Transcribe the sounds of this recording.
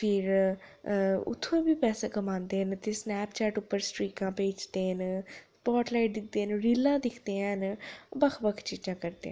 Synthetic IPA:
pʰɪɾ | ʊ̰t̪ʰːõbiːpɛːseːkəmãːnd̪eːɦənt̪eːsnɛːpt͡ʃɛːʈʊpːəɾsʈɾiːkãːpeːd͡ʒd̪eːɦənspɔːʈlaːɪʈ̚d̪ɪk̚ʰd̪eːənɾilãːd̪ɪkʰd̪eːə̃nbəkʰbəkʰt͡ʃiːd͡ʒãːkəɾd̪ḛːã

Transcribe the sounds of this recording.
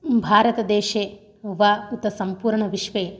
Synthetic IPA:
bʱaːɾɐt̪ɐd̪eːʃeː | ʋaːut̪ɐsɐmpuːɾɳɐʋiʃʋeː

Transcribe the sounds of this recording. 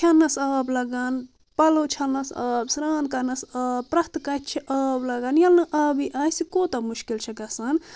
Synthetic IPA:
t͡ʃʰɐnːɐsɐːblɐɡaːn | pɐlot͡ʃʰɐlnɐsɐ̰ːbsɾaːnkɐnɐsaːbpɾɐst̪kɐt̪t͡ʃʰiʔaːblɐɡanjɐlnɐʔaːbiʔaːjsikoːt̪ɐmuʃkilt͡ʃʰɐkɐsɐn

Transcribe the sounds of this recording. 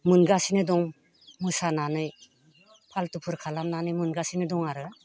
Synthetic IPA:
mɯnɡasinɯdɔŋ | mɯsananɯj | pʰaltupʰɯɾkʰalamnanɯjmɯnɡasinɯdɔŋaɾɯ

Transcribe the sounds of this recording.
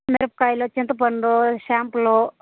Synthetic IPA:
meɾɐp̚kaːjloːt͡ʃint̪ɐpɐɳɖoːʃaːmploː

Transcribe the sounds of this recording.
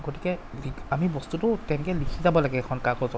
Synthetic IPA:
ɡotikɛliamibɔstutʊtɛnɛkɛlikʰizabɔlaɡɛːkʰɔnkakɔzɔ

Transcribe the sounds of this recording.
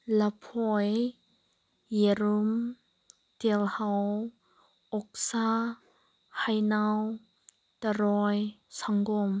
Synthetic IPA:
lapʰɔj | jeɾum | t̪ɛlhaw | ʔɔk̚sa | hajnaw | t̪aɾɔjsaŋɡɔm

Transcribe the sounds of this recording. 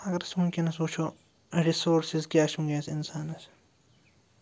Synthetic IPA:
ɐɡɐɾɐsmʊmkʲinɐsuːt͡ʃʰo | ɾisoːɾsizkʲaːʃũŋɡeːsinsaːnɐs

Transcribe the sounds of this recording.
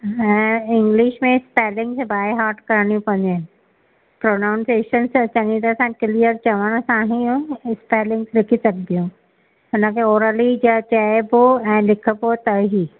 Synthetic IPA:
ɛ̃ːɪ̃ŋɡlɪʃmẽspeːlɪ̃ŋɡsbaːjɦaːɾʈkɐɾɳ̃iũpɐ̃ndɪnɪ̆ | pɾoːnaʊnseːʃənst͡ʃɐŋĩt̪ɐsãkɪlijəɾt͡ɕɐʋəɽ̃sãɦĩɪspeːlɪ̃ŋɡslɪkʰisɐkʰd̪ijũ | ʊnə̃keoːɾəlid͡ʑɐt͡ɕaeboɛ̃ːlɪkʰəbot̪ɐɦi

